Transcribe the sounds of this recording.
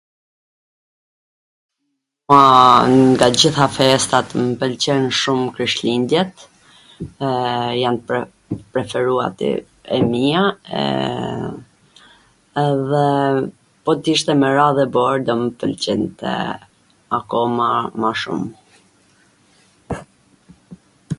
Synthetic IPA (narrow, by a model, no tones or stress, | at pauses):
ŋɡad͡ʑiθafɛst̪at̪mpəlt͡ɕɛnʃumkɾiʃlind̪jɛt̪ | jant̪ | pɾɛfɛɾua̰t̪ə̰ | ɛ̰miaɛ̰ | ðɛ | pɔt̪iʃt̪ɛmɛɾaðɛbɔɾd̪ɔmpəlt͡ɕɛnt̪ɛ̰ | akɔmamaʃṵm